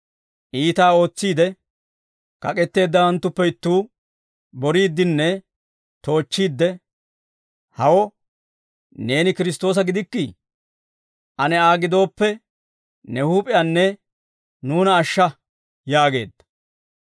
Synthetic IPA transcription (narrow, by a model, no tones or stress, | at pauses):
ʔiːt̪aːo̞ːt͡sːiːd̪ɛ | kɐkʼɛt̪ːe̞ːd̪ːɐwɐnt̪ːʊpːɛɪt̪ːuː | bɔɾiːd̪ːɪnːɛ | t̪o̞ːt͡ʃːiːd̪ːɛ | hɐwɔ | ne̞ːnɪkɪɾɪs̬t̪o̞ːs̬ɐɡɪd̪ɪkːɪ | ʔɐnɛaːɡɪd̪o̞ːpːɛ | nɛhuːpʼɪjanːɛ | nuːnɐːʃːɐ | jaːɡe̞̰ːd̪ːɐ̥